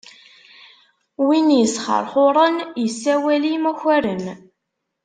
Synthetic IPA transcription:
winjəsχə̰ɾˤχʊɾˤənjəsːæwælimæçæɾən

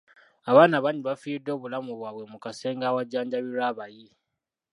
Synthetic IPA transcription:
aβaːnaβaɲiβafiːidːo̞ːβulamuβwaβwe̞mukase̞ːŋɡaːwaɟːaːɲɟaβiɾaːβaji

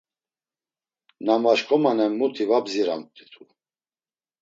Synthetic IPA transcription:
namaʃkʼɔmanɛmːut̪ʰivabziɾa̰mt̪ʼit̪ʰu

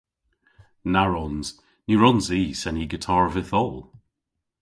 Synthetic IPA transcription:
naɹɔnz̥ | niɹɔnziːsɛniɡətʰaɹvɪθɔlˠ

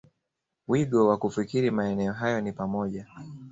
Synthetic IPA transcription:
wiɠɔwakufikiɾimaɛnɛɔɦajɔnipamɔʄa

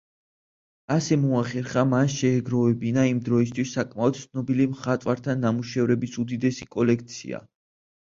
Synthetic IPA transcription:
asɛmɔaχɛɾχamanʃɛːɡɾɔvɛbinaimd̪ɾɔis̬t̪ʰwisːakʼmaɔd̪̥t̪sʰnɔbilimχat̪ʼwaɾt̪ʰanːamuʃɛvɾɛbisud̪id̪ɛsikʼɔlɛk̚ʰt̪sʰḭa̰

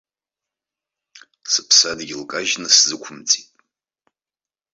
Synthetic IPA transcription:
sɨpʰsadɡʲɪlkʼaʒnɨszɨkʷʰʊmt͡sʼitʼ

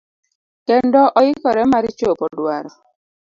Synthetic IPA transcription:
kɛndɔʔɔjɪkɔɾɛmaɾit͡ʃopɔdwaɾɔ

